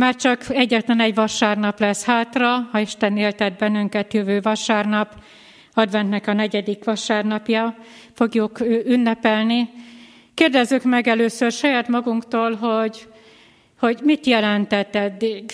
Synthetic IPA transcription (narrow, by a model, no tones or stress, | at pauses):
maːrt͡ʃɒkɛɟːɛt̪lɛnɛɟvɒʃaːrnɒplɛshaːt̪rɒhɒiʃt̪ɛneːlt̪ɛd̪̚bɛnːyŋkɛt̪jøvøːvɒʃaːrnɒp | ɒd̪vɛnt̪nɛkɒnɛɟɛd̪ikʋɒʃaːrnɒpjɒ | fo̞ɡjukøːʔynːɛpɛlni | keːrd̪ɛzːykmɛɡɛløːsørʃɒjaːt̪mɒɡuŋkt̪oːlɦo̞ɟ | ho̞ɟmit̪jɛlɛnt̪ɛt̪ɛd̪ːiɡ